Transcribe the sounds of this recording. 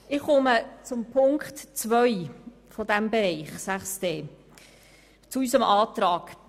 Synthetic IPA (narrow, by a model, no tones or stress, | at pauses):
ɪχʊmət͡sʊmpʰʊŋktt͡svœʏ | fodæmbeɾɛɪχsæχsteː | t͡suysəmɑːt̪ɾɑːɡ̥